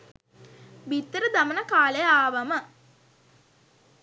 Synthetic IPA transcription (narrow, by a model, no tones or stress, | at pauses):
bit̪ːəɾəd̪amənəkaːlejaːʋamə